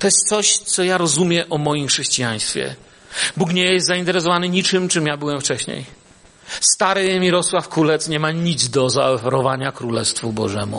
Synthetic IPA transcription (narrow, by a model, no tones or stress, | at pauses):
t̪ɔjɛst̪sɔɕt̪sɔjaɾɔzumʲjɛʔɔmɔjimxʂɛɕt͡ɕijaɲ̃st̪fʲjɛ̰ | bukɲejɛst̪zaint̪ɛɾɛsɔvanɘɲit͡ʂɘmt͡ʂɨmjabɘwɛmft͡ʂɛɕɲḛj | st̪aɾɛjɛmʲiɾɔswafkɾulɛt̪sɲɛmaɲid̪zd̪ɔzaɔfɛɾɔvaɲakɾulɛst̪fubɔʐɛmṵ